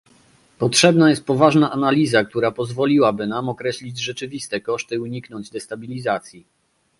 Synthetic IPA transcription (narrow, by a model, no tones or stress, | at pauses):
pɔtʂɛbnajɛst̪̚pɔvaʐnaʔanalʲizak̚t̪uɾapɔzvɔlʲiwabɘnamɔkɾɛɕlʲid͡ʑʐɛt͡ʂɘvʲist̪ɛkɔʂt̪ɘuɲiknɔɲd͡ʑd̪ɛst̪abʲilʲizat̪sʲji